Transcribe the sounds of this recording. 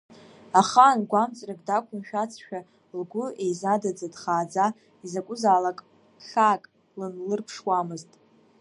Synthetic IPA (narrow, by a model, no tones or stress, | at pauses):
aχaːnɡʷamt͡sʼrakʼdakʷʰʊnʃᶣat͡sʰʃᶣa | lɡʷʊejzadad͡zadχaːd͡za | izakʷʼʊzaːlakʼ | ɬakʼ | lɨnlɨrpʰʂwamɨztʼ